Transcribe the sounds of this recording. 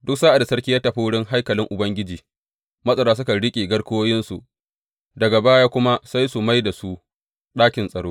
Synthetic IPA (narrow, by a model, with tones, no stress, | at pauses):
dʊ˦ksaː˦ʔa˨da˨sɐ˦ɽkʲiː˦ja˦tːɐ˨ɸi˦wʊ˦ɽɪ˦ŋɦa˦jkɐ˨lɪ˦ŋʔʊ˨bɐ˦ŋɡʲɪ˦d͡ʒiː˨ | mɐ˦sʼɐ˨ɾaː˦s̬ʊ˦ka˨ɽɪ˦kʲʼeː˨ɡɐ˦ɽkoː˦jɪ˦nsu˨ʔ | dɐ˨ɡa˨baː˦jaː˦kʷʊ˦ma˦sa˦jsu˨ma˦jda˨su˦ | ɗaː˦kʲɪ˨nsʼɐ˨ɽoː˦